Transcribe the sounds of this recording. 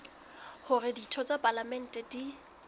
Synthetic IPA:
hʊrɪditʰɔt͡sʼapʼalamɛn̩tʼɛdi

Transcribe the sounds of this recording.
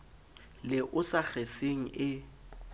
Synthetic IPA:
lɪʔʊsak͡xeseŋ̩ɪ

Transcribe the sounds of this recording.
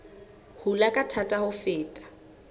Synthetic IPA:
hulakʼatʰatʼahʊfɪːtʼḁ

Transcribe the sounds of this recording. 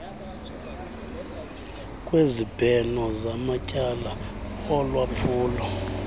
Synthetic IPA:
kʼwezib̥ʱɛnɔzamacʼalaɔlwapʰuːlɔ

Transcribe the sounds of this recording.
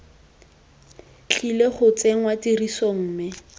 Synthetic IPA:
t͡ɬileχʊt͡seŋ̩watirisoŋ̩ːmɪ

